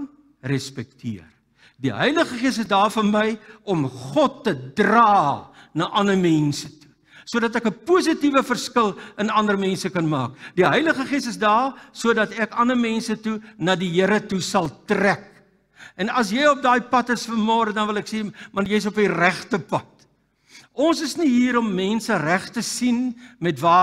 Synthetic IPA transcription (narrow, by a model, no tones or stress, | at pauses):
rɛspɛk̚tʰḭər | diɦə̰jləχəχiəsəsdɑːrfənməjɔmχɔtːədrɑːnɑːʔɐnəmɛnsətu̥ | suədɐtækəpus̬ətivəfərskəlˠənɐndəɾmɛ̃nsəkɐnmɑ̰ːkdiɦəjləχəχiəsəsdɑːsuədɐtækɐnəmɛnsətunɑːdiɦəɾətusɐlˠtræk̚ | ɛnɐs̬jɛjɔp̚dɑːjpɐtəsfəmoːɾədɐnvəlɛksimɐnjɛjəs̬ɔpiræχtəpɐt | ɔnsəsniɦiːɾɔmːɛnsəræχtəsinmɛtvɑː